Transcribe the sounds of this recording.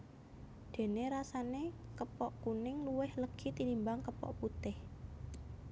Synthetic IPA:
d̪̥e̤neɾasanekəpɔʔkunɪŋluwɪhləɡ̥i̤t̪inimbaŋkəpɔ̰ʔput̪ɪh

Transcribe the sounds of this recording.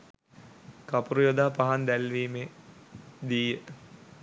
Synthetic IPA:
kapuɾujod̪aːpaɦand̪ælʋiːme | d̪iːjə

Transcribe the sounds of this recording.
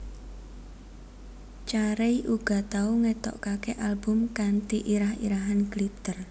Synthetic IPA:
t͡ʃaɾeiʔuɡ̥a̤t̪auŋet̪ɔ̰ʔkakeʔalbʊmkant̪iʔiɾahḭɾaɦanklip̚t̪ər

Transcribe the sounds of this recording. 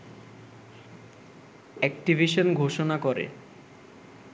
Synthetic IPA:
ɛk̚ʈibʱiʃonɡʱoʃonakoɾḛ

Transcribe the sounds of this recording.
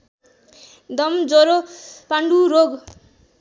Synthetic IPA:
d̪ʌmd͡zoɾopaɳɖuɾoɡ

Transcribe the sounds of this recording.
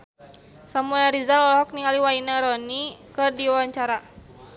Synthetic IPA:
samuɛɾizalɔlɔɦɔk̚niŋaliwainaɾɔnikɨrdiwaɲt͡ʃaɾa

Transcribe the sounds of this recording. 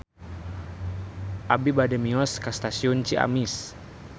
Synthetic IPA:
ʔabibadɛmiɔskast̪asiunt͡ʃia̰mis

